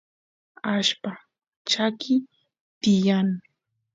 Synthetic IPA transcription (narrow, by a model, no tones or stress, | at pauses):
aʃpa | t͡ʃakɪ | t̪ɪjaŋ